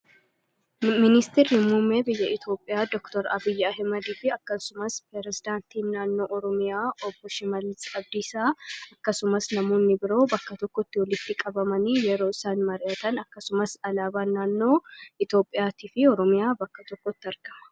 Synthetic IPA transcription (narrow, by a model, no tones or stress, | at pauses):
mɪnɪst̪ɪɾɪmuːmːeːbɪjːɐɪt̪ʰjo̞ːpʼːɪjaːd̪ɔkt̪ɔɾɐ̰bɪjːɐːɦɪmɐd̪iːfɪɐkːɐsʊmɐspɾɛɾɛzɪd̪aːnt̪iːnːaːnːo̞ːʔɔɾɔmɪjaːɔbːɔʃɪmɐlːɪsɐb̚d̪isaːɐkːɐsʊmɐsnɐmoːnːɪbɪɾo̞ːbɐkːɐt̪ɔkːɔt̪ːɪwɔlɪt̪ːɪkʼɐbɐmɐniːjɛɾo̞ːɪsaːnmɐɾɪʔɐt̪ɐnɐkːɐsʊmɐsɐlaːbaːnːaːnːo̞ːɪt̪jo̞ːpʼːɪjaːt̪iːfɪɔɾɔmɪjaːbɐkːɐt̪ɔkːɔt̪ːɪɐɾɡ̥ɐmɐ̥